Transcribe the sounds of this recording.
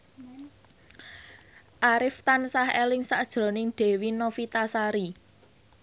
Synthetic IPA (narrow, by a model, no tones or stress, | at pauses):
ʔaɾɪft̪ansahelɪŋsad̥ʒ̥ɾo̤nɪŋɖ̪̥e̤winofit̪asaɾi